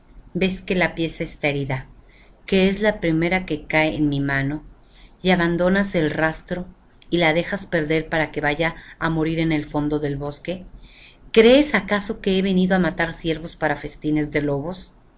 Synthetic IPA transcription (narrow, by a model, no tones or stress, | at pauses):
be̞ske̞lapje̞saest̪aeɾiða | ke̞ezlapɾime̞ɾake̞kaḛːnmimãno̞ | iaβand̪o̞nase̞lrast̪ɾo̞ | ilaðe̞xaspe̞ɾðe̞ɾpaɾake̞βaʝaːmo̞ɾiɾe̞ne̞lfo̞nd̪o̞ðe̞lβo̞ske̞ | kɾe̞ːsakaso̞ke̞eβe̞niðo̞amat̪aɾsje̞ɾβo̞spaɾafe̞st̪ine̞zðe̞lo̞βo̞s